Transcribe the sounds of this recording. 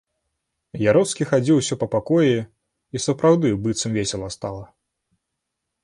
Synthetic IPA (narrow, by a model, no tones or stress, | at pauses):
jaɾɔskʲixad͡zʲiwsʲɔpɐpakɔji | isɐpɾawd̪ɨbɨt̪sɐmvʲesʲɛlˠɐst̪alˠɐ